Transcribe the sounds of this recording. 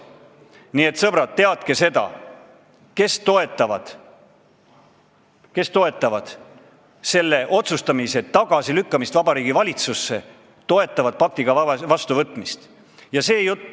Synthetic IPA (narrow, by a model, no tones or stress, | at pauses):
nie̞t̪sɤb̥ɾɑt̪ːe̞ɑd̪̥ke̞se̞d̪ɑ̰ | ke̞st̪o̞e̞t̪ːˑɑvɑd̪̥ | ke̞st̪o̞e̞t̪ːˑɑvɑd̪̥ | se̞lːe̞ʔo̞t̪sust̪ɑmise̞t̪ːɑɡ̥ɑsilykːɑmist̪vɑbɑɾiːɡ̥ivɑlʲit̪susːe̞ | t̪o̞e̞t̪ˑːɑvɑd̪̥̚pɑk̚t̪iɡ̥ɑvɑst̪uvɤt̪ːˑmist̪ | jɑse̞ːjut̪ː